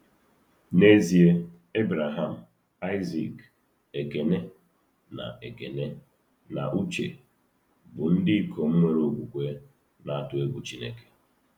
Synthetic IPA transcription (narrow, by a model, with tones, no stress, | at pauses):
ne˦zi˨e˦ | e˦bɾa˨ɦa˦˨m̩˨ | a˦ɪ˦zḭ˨k | e˨ke˨ne˦ | na̰˨ʔe˨ke˨ne˦ | na̰˨ʔu˦t͡ʃḛ˨ | bʊ˨n̩˦dɪ˦kʰo˨m̩˦ŋʷe˦ɾo˦ɡʷu˨kʷe˦ | na˦a˦tʊ˨e˦ɡu˨t͡ʃi˦ne˦ke̥˨